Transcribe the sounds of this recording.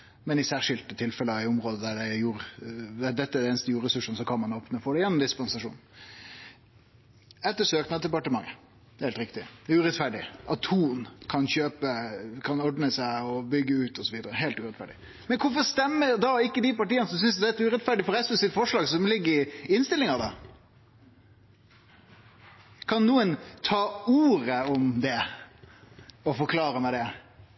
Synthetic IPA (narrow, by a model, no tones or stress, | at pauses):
mɛnɪsæːɾʂɪlt̪ət̪ʰɪlfɛləɑɪʊmɾoːd̪əd̪æɖæjuːɾd̪æd̪ɛt̪ːəæɖɛeːnəst̪əjuːɾɾəsʉʂənsɔkʰɑnmɑnoːpnəfɔɖ̪ɛjɛnːɔmd̪ɪspɑnsɑʂṵːnn̩ | ɛt̪ːəsøːknɑd̪d̪ɛpɑʈəmɑŋːə | heɪlt̪ɾɪkt̪ɪæʉːɾɛt̪fæɖɪ̰ʔɑt̪ːʰhuːnkʰɑnçøːpəkʰɑnɔɖnəsæɪɔbʏɡːəʉːt̪ɔsɔʋiːd̪əɾəɦeːlt̪ʉɾɛt̪fæ̰ɖɪ | mɛnkʰʊɾfɔɾst̪ɛmːəɾd̪ɑɪkːəd̪ɪpɑʈiːənəsɔms̬ʏnsd̪ɛæt̪ʉːɾɛt̪fæɖɪfɔɾɛsɔsɪt̪fɔʂlɑːɡsɔmlɪɡːəɾɪɪnst̪ɪlɪŋɑd̪ɑ | kʰɑnnuːənt̪ʰɑːuːɾəɔmd̪ɛ | ɔfɔɾkʰlɑːɾəmɛd̪ɛ